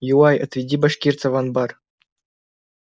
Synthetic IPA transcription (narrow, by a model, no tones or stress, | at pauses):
juwɑjɤ̰̆t̪vʲidʲibɑʂkʲirt̪t͡savɑnbɑr